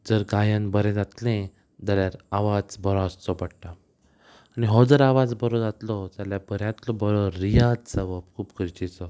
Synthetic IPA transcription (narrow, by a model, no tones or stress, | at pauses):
d͡zəɾɡajənbəɾɛ̃d͡zat̪lẽ | d̪aljaɾaʋad͡zbəɾãst͡sɔbəɽʈa | aniɦɔd͡zəɾaʋad͡zbəɾɔd͡zat̪lɔt̪jaljabəɾjãt̪lɔbəɾɔːijad͡zsəʋəbkʰuːpkəɾt͡ɕit͡sɔ